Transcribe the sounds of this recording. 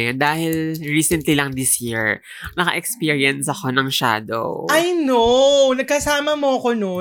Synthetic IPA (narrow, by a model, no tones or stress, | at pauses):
d̪aːhɪlɹiːsɛnt̪lilɐŋd̪isjiɹ | nɐkɐ̰ʔɛkspiːɹjɐnsɐko̞nɐŋʃa̰ːd̪o̰ʔɐjnonɐɡ̚kɐsaːmɐmoɐkono